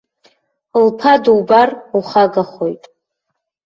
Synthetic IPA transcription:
lpʰaduwbaruχaɡaχojtʼ

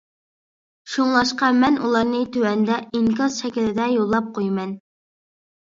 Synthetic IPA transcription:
ʃoŋlˠɑʃqɑmɛnʔṵlˠɑɾnɨt̪ʰøwɛnd̪ɛiŋkɑzʃɛkʲilɪd̪ɛjolˠːɑp̚qʰojmɛn

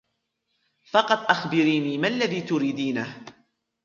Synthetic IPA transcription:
fɑqɑt̪ˤʔaxbɪɾiːniːmanlːaðiːt̪ʊɾiːd̪iːna

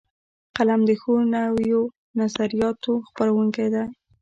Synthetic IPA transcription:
qalamd̪əxonawjo | nazaɾijɑt̪oxpaɾawuŋkajd̪aj

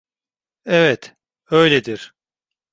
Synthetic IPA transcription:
ɛvɛt̪ | ø̞jlʲed̪iɾ̥

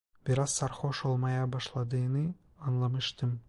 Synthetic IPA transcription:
b̥iɾɑzːɑɾχoʃolˠmɑjɑbɑʃlˠɑd̪ɯnɯ | ɑnlˠɑmɯ̆ʃt̪ɯm

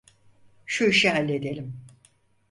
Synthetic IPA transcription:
ʃuiʃiɦalʲːed̪elʲim

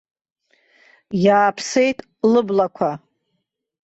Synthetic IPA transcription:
jaːpʰse̞jtʼ | lɨblakʷʰa

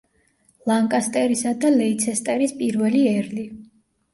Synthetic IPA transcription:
lˠaŋkʼast̪ʼɛɾisad̪alɛit̪sʰɛst̪ʼɛɾispʼiɾvɛliɛɾli

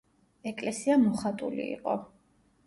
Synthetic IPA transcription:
ɛkʼlɛsiamɔχat̪ʼulḭḭqʼɔ

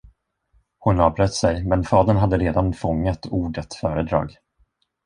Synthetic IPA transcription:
hʊnɑːvbɾœt̪ːsɛjmɛnfɑːd̪əɳɦad̪ːəɾeːd̪anfɔŋːat̪ʰuːɖət̪fœːɾəd̪ɾɑ̰ːɡ

